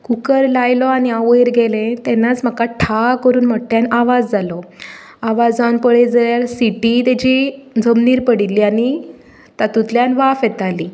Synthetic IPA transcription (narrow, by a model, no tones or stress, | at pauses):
kukəɾlajlɔañiaʋəjiɾɡelẽt̪ɛnːat͡sm̤əkaʈʰakəɾuːnməʈːjanaʋad͡zd͡zalɔ | aʋad͡zanpəɭed͡zaljaɾsiʈit̪ad͡ʑid͡zəmniːɾpəɽilːiːañi | t̪at̪ut̪ljanʋafjɛt̪aliː